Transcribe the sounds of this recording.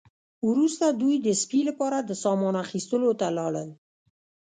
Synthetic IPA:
wɾust̪ad̪ujd̪əspilapɑɾad̪əsɑmɑnaxist̪əlot̪alɑɽəl

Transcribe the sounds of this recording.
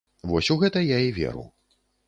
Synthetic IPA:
vɔsʲuɣɛt̪ɐjaivʲɛ̰ɾṵw

